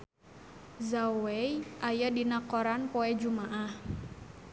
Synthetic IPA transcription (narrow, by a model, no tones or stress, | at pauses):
zawɛjʔajadinakɔɾanpɔɛd͡ʒumaʔah